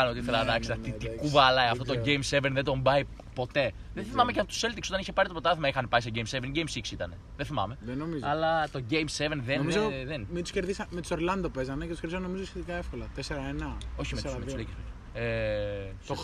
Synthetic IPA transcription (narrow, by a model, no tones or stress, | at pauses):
ɐnot̪iiθelɐɐðɐksiɐt̪it̪ikkuvɐlɐjɐft̪ot̪o̞ɟejmsevenðed̪o̞mbɐi | po̞t̪e̞ðenθimɐme̞ceot̪u̥se̞lt̪ikso̞t̪ɐniçepɐɾit̪opɾot̪ɐθimɐixɐnepɐiseɟejmsevenɟejmsiksit̪ɐne̞ðeθimɐ̰me̞ðenomizɐlɐt̪o̞ɟejmsevenðennmizðenmint̪u̥sceɾðisɐmet̪soɾlɐnd̪opezɐnɐcet̪usceɾðisɐnomizosçet̪ikɐefko̞lɐt̪eseɾɐenɐo̞çimetmslecespe | e | o